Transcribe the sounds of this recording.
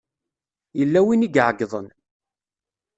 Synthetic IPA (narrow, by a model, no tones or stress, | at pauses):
jəlːæwiniɡʕɡːðˤən